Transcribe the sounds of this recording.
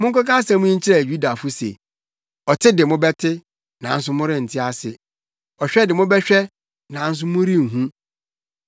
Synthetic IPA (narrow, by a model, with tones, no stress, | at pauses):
mʊ̃˦ŋ˦kɔ˦kã˦sɛ̃˨˦mʊ̃˦ɲ̩˦t͡ɕɪ˦ɾɛ˨ɥᶣu˦da˨fʊ˦sḛ˨ | ɔ˨tʰɪ˦dɪ˨mʊ̃˦bɛ˦tʰɪ˦ | nã˨n̩˦sʊ˦mʊ̃˦ɾɪ̃˦n̩˨tʰɪ˦a˦sɪ˨ | ɔ˨ɕᶣɛ˦dɪ˨mʊ̃˦bɛ˦ɕᶣɛ˦ | nã˨n̩˦s̬ʊ˦mʊ̃˦ɾi˦ŋ̩˨ɦũ˦